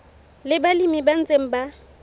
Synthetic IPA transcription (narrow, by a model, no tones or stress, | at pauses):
lɪbalimiban̩t͡sʼeŋ̩ba